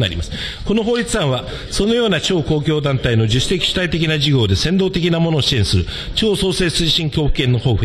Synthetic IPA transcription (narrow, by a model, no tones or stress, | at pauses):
na̰ɾʲḭmasɨ̥ | ko̞no̞ɦo̞ːɾʲit͡sɨãɰ̃βa | so̞no̞jo̞ːnat͡ɕo̞ːko̞ːkʲo̞ːd̪ãnt̪aino̞ʑɨɕsi̥t̪e̞kʲi̥ɕi̥t̪ait̪e̞kʲinaʑiɡʲo̞ːd̪e̞sẽ̞nd̪o̞ːt̪e̞kʲinamo̞no̞ːɕiẽ̞ɰ̃sɨɾɯ̟ | t͡ɕo̞ːso̞ːse̞ːsɨːɕĩŋkʲo̞ːɸɯ̟̥kːẽ̞nːo̞ho̞ːɸɯ̟